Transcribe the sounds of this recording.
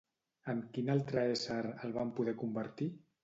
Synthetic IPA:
əmkinalˠt̪ɾəesaɾəlˠβampuðɛkumbəɾt̪i

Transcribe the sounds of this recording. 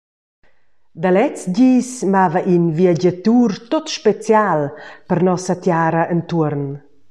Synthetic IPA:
d̪alɛt͡sɟiːsmavaʔinviaɟət̪uːrt̪ot̪ʃpet͡sjalpəɾnɔsat̪jaːɾɐʔənt̪uəɾn

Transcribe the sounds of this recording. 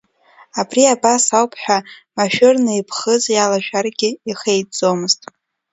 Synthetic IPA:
abriabasawpʰħʷᶣamaʃᶣʏrnɨipʰχəzjalaʒᶣarɡʲɪiχejd͡zʼo̞mɨztʼ

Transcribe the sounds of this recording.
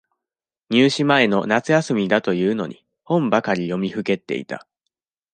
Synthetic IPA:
ɲ̟ɨːɕimae̞no̞nat͡sɨjasɨmʲid̪at̪o̞jɯ̟ːno̞̰ɲ̟ḭ | hõ̞mbakaɾʲijo̞mʲiɸɯ̟ke̞t̪ːe̞̰ḭt̪a̰

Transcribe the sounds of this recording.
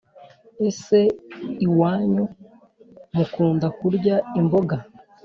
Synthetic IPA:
ese̞iwaːɲu | mukuːndakuɾɟaimboɡa

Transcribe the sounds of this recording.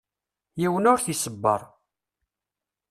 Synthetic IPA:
jiwənʊɾθisəbːə̰ɾˤ

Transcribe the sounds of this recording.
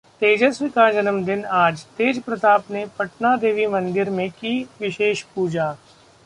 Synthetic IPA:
t̪eːd͡ʒəsʋɪkad͡ʒɐnəmd̪ɪnaːd͡ʒt̪eːd͡ʒpɾɐt̪aːpnepɐʈnad̪eːʋimɐ̃nd̪ɪɾmẽkiʋɪʃeːʃpuːd͡ʒaː

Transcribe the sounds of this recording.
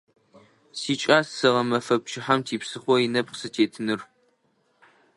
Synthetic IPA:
siːt͡ʃʼaːsːɨʁɐmɐfɐp̚t͡ʃʰɪħamtʰiːpsɨχʷɔjɪnɐp̚qsɨtʰeːtʰɨnɨr

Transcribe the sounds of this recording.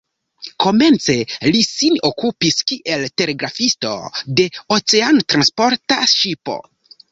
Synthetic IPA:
ko̞me̞nt͡se̞lisinokupiskiʔe̞lte̞ɾe̞ɡɾafisto̞̰de̞o̞t͡seanotɾanspo̞ɾtaʃipo̞̰

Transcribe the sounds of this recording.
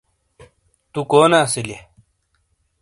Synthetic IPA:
t̪ukoːnaːsile

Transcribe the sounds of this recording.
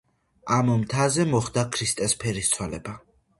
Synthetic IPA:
amɔmt̪ʰazɛmɔχd̪akʰɾist̪ʼɛspʰɛɾist̪sʰwɛlɛ̰ba

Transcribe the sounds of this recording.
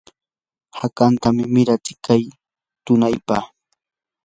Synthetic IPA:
hakant̪amɪmɪɾat͡ʃɪ̥kaj | t̪ʊnajpaχ

